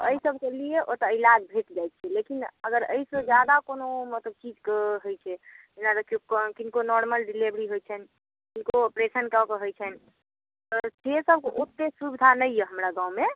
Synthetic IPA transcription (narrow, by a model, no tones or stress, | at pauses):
t̪əisəb̚ʱkelieʔot̪ɔilad͡ʒbʱeʈd͡ʒajt̪t͡ʃʰɛlekinəɡəɾə̰isəd͡ʒjad̪akonomət̪ləb̚t͡ʃid͡ʒkəɦojt͡ʃʰɛd͡ʒenad̪əkokkinkonɔɾməlɖilebɾiɦojt͡ʃʰɛn | kinkoopɾesənkəkəɦojt͡ʃʰɛn | t̪ɔd͡ʒesəb̚ʱkeʔot̪ːesubid̪ʱanəjjeɦəmɾaɡãũme